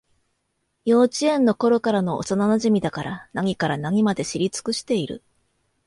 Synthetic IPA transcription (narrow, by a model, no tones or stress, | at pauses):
jo̞ːt͡ɕiẽnːo̞ko̞ɾo̞kaɾanoʔo̰sananaʑimʲid̪akaɾanaŋ̟ʲikaɾanaŋʲimad̪e̞ɕiɾʲit͡sɨ̥kɯ̟ɕi̥t̪e̞iɾɯ̰